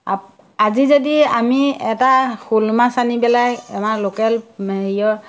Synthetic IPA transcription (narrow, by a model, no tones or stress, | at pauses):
a | azizodiamiɛtaxulmasanibɛlakɛmalokɛlmeɦijɔɹ